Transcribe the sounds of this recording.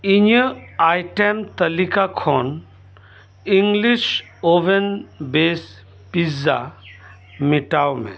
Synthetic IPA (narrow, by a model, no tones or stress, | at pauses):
iɲəajʈemt̪əlikakʰɔn | iŋɡliʃ | oʋenbes | piza̰ | miʈawmḛ̃